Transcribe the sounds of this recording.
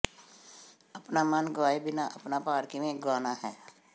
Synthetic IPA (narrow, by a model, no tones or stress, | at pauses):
ɐpnamənɡaːibɪnaʔɐpnapaːɾkimẽɡaːnaɦɛː